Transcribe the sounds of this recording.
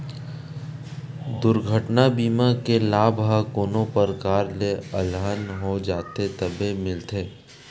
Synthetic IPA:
d̪ʊɾɡʱəʈnabiːmakelaːbɦakoːnõpəɾkaːɾleəlɦənɦod͡ʒaːt̪et̪ɐbemɪlt̪ʰeː

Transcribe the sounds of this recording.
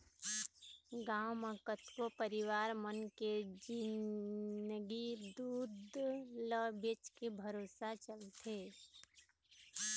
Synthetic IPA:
ɡãːʊməkət̪kopəɾɪwaːɾmənked͡ʒɪn | əɡid̪uːd̪ʱləbet͡ʃkebʱəɾoːsat͡ʃəlt̪ʰeː

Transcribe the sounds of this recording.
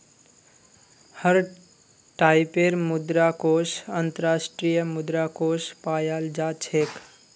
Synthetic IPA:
həɾ | ʈaːɪpeɾmʊd̪ɾakosənt̪əɾaːsʈɾijəmʊd̪ɾakoːspaːjaːld͡ʒat͡ʃʰek

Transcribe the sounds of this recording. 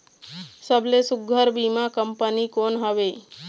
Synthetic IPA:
səblesʊɡʱəɾbimakəmpənikonɦəʋe

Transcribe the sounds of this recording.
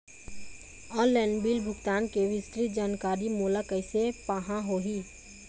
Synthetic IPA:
ɔːlɛ̃ːnbiːlbʱʊɡt̪aːnkeʋɪst̪ɾid͡ʒaːnkaːɾimoːlakəɪsepaːɦãɦoːɦiː

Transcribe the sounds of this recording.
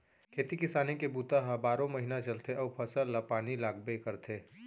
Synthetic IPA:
kʰeːt̪ikɪsaːnekebuːt̪aɦãbaːɾõmɐɦinat͡ʃɐlt̪ʰeʔɔːpʰɐsəllapaːnilaːɡbekɐɾt̪ʰeː

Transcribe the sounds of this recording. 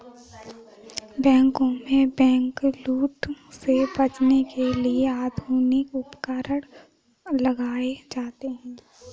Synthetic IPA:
bɛ̃ːŋkõmẽbɛ̃ːŋkluːʈsebɐt͡ʃnekelieaːd̪ʱuːnɪkʊpkaːɾəɽ̃ | lɐɡaːed͡ʒaːt̪eɦɛ̃ː

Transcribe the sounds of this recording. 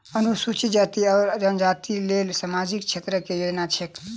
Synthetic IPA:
ənusut͡ʃid͡ʒat̪iɔːɾd͡ʒənd͡ʒat̪ilelsamad͡ʒikt͡ʃʰet̪ɾəkejod͡ʒnat͡ʃʰek

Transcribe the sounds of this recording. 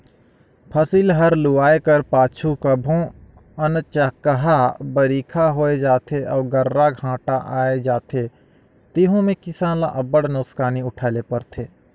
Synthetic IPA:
pʰəsiːlɦəɾlʊaːekəɾpaːt͡ʃʰukəbʱõ | ənt͡ʃakəɦabəɾiːkʰaɦoːed͡ʒaːt̪ʰeʔɔːɡəɾːaɡʱãːʈaʔaːed͡ʒaːt̪ʰe | t̪iɦõmẽkɪsãːnla̰ʔɐbəɽnoːskaːniʊʈʰaːlepəɾt̪ʰeː

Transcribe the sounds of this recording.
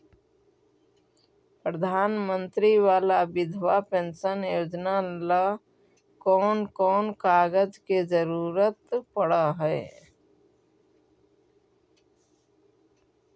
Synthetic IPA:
pɾəd̪ʱaːnmə̃nt̪ɾiʋaːlabɪd̪ʱʋapẽnsənjoːd͡ʒnala | kɔːnkɔːnkaːɡəd͡ʒked͡ʒəɾuːɾət̪pəɽaɦɛ

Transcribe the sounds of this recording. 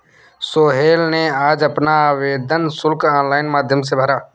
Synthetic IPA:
soːɦeːlneaːd͡ʒɐpnaʋeːd̪ənsʊlkãːnlaːɪnmaːd̪ʱjəms̬ebʱəɾaː

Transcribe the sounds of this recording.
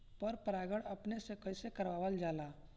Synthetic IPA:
pɔɾpəɾaːɡəɽɐpnesekəɪsekəɾwaːʋəld͡ʒaːlaː

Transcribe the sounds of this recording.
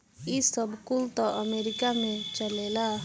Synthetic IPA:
isəbkult̪ɔʔəmeɾikamẽt͡ʃəlela

